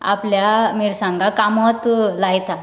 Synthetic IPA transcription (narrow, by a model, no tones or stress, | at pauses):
a̰pljamiɾsãŋɡakamɔt̪lajt̪a